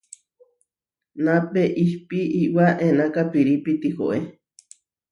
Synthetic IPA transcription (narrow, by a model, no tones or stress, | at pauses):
napeʔihpiʔiwaʔenakapiɾipit̪iho̰ʔe